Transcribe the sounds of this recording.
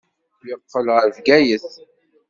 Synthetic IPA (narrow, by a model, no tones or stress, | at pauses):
lɪqːəlʁəvɡæjəθ